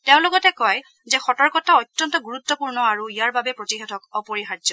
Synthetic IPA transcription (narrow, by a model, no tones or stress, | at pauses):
teʊ̃lʊɡɔtɛkɔj | zɛxɔtɔɹkɔtaɔtːɔntɔɡuɹut̪ːɔpuɹnɔaɹuijaɹbabɛpɹotixɛtʰɔkɔpɔɹixadzɔ